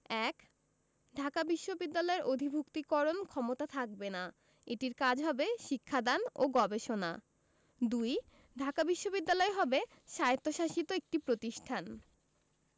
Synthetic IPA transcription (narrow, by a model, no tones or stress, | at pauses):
ɛk | ɖʱakabiʃːobid̪ːalɔeɾod̪ʱibʱukt̪ikɔɾonkʰɔmot̪at̪ʰak̚bena | eʈiɾkad͡ʑʱɦɔbeʃikʰːad̪ano̰ɡɔbeʃona̰ | d̪uj | ɖʱakabiʃːobid̪ːalɔeɦɔbe | ʃajt̪ːoʃaʃit̪oek̚ʈipɾot̪iʃʈʰan